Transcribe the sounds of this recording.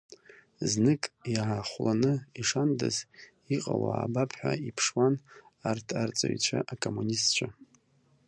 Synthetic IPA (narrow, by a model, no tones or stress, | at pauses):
znɨkʼjaʕaχʷlanɨiʂandaz | iqʼawa̰ːbapʰħʷᶣaipʰʂwanartʰart͡sʼa̰ɥt͡ɕʷʰaʔakʼomunistt͡ʃʷʰa